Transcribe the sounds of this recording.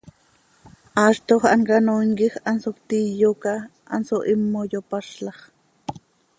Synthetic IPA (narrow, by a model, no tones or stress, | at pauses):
ʔɑːʃt̪oχʔɑŋkɑnoiŋkixɑnsokt̪ijokɑʔɑ̰nsoʔimːojopɑʃlɑχ